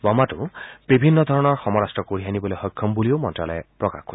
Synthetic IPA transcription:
bɔmatʊ̰̃b̥ibʱinːɔd̪ʱɔɹɔnɔɹxɔmɔɹastɹɔkoɹianibɔlojxɔjkʰːɔmbulijomɔntɹalɛ̰pɹɔka̰xɡo

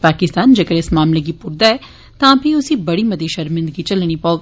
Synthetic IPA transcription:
paːkɪst̪aːnd͡ʒɐkəɾɪsmaːmleɡipʊɾd̪aɛː | t̪ãːpʰiʊsibɐɽimɐd̪eʃɐɾmɪ̃nd̪ɡit͡ʃɐlɽ̃ipaoːɡ

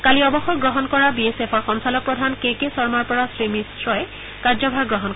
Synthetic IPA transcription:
kaliɔbɔxɔɡɹɔɦɔnkɔɹabiesefʰɔɹxɔnsalɔk̚pɹɔdʱankekesɔɹmaɹpɔɹasɹimisɹɔɛ | kaɹzɔbʱaɹɡɹɔɦɔnk

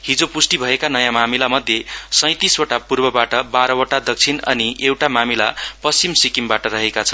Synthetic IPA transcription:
ɦid͡zopusʈibʱʌekanʌjãmamilamʌd̪ʱjesʌ̃j̃t̪iswoʈapurbʌbaʈʌbaɾʌoʈad̪ʌk̚t͡sʰinʌ̰niʔewʈamamilapʌst͡simsikimbaʈʌɾʌɦekat͡sʰʌ̥n

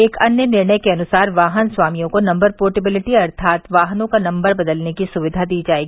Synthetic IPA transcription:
eːkɐnjənɪɾɳəjkeɐnʊsaːɾʋaːɦənswaːmijõkonɐ̃mbəɾpoːʈɪbɪlɪʈiɐɾt̪ʰaːt̪ʋaːɦnõkanɐ̃mbəɾbɐd̪əlnekisʊʋɪd̪ʱad̪iːd͡ʒaːeːɡiiː

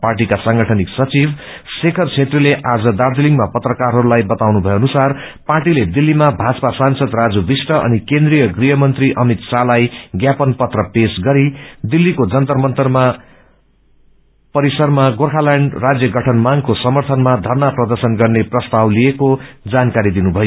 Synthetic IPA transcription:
parʈ̬ikasʌŋɡʌʈʰʌniksʌt͡sib | sekʰʌrt͡sʰet̪rileʔad͡zʌd̪ard̪iliŋɡmapʌt̪rʌkarɦʌɾulajbʌt̪awnubʱʌjoʌnusar | parʈiled̪ilːimabʱad͡zʌpasansʌd̪rad͡zubisʈʌʔʌ̰nikẽnd̪rijʌɡrijʌmʌnt̪riʔʌmit̪salajɡjapʌnpʌt̪rʌpesɡʌɾid̪ilːikod͡zʌnt̪ʌrmʌnt̪ʌrma | pʌɾisʌrmaɡorkʰalaɳɖrad͡zjʌɡʌʈʰʌnmaŋkosʌmʌrt̪ʰʌnmad̪ʱʌrnaprʌd̪ʌrsʌnɡʌrneprʌst̪awlijekod͡zankaɾid̪inubʱʌjo

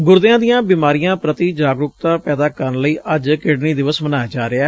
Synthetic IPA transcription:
ɡʊɾd̪ɪãːd̪ijãːbiːmaːɾijãːpɾət̪iːd͡ʒaːɡɾʊkt̪aːpɛːd̪aːkəɾənləiːʔəd͡ʒkɪɖniːd̪ɪʋəsmənaːjaːd͡ʒaːɾɪaː

